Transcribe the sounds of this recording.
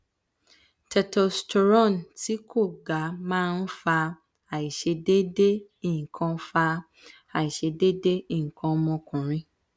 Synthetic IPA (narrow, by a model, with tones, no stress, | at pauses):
tʰɛ˨tɔ˨stɔ˨ɾɔ̃˦˨nti˨˦kʰo˦˨ɡa˨˦mãː˦n̩˦fa˧ | a˨i˨ʃe˧de˦de˦ | i˦˨ŋ̩˨kʰã˧˦fa˧ | a˨i˨ʃe˧de˦de˦ĩ˦˨kʰã˧˦mɔ̃˧kũ˨ɾ̃ĩ˨˦